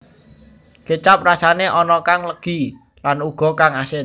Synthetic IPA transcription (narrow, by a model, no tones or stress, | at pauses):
t͡ʃət͡ʃap̚rasaneʔɔnɔkaŋləɡ̥i̤ | lanuɡ̥ɔ̤kaŋasɪ